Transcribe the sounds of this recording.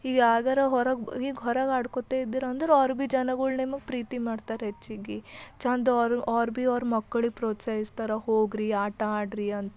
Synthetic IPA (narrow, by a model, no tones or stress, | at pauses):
iːɡaːɡɐɾeɦɔɾɐɡiːɡɦɔɾɐɡaːɽkot̪eid̪iːɾɐnd̪ɐɾeaːɾbid͡ʒɐnɐɡuɭnemɐɡ̚pɾiːt̪imaːɖt̪aːɾɦet͡ʃːiɡit͡ʃɐnd̪ɾaːɾbiɔːɾmɐkːɐɭipɾoːt̪sɐjist̪ɐɾɐhoːɡɾiaːʈɐaːɖɾiɐnt̪